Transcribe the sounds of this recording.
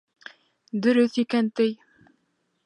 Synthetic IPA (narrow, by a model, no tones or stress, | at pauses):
d̪ɵ̆ɾɵθikænt̪ɘj